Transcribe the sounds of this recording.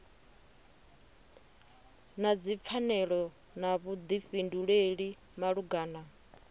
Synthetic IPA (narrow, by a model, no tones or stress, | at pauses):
nad͡zip̪fʰanɛɺɔ | naβud̪iɸinduɺeɺi | maɺuɡaːna